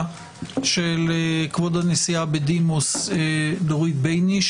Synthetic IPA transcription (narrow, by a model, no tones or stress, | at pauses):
ʃelekvod̪anesiabed̪imosedoʁit̪̚bejniʃ